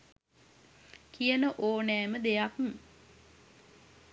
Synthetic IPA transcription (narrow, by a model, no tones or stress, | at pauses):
kijənəʔoːnɛːməd̪ejakm